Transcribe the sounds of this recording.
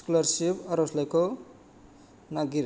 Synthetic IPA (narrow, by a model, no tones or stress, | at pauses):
kulʌrsipʌɾoslejko | naɡiɾ